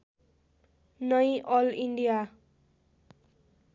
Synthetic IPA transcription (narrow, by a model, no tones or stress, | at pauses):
nʌjʔʌliɳɖija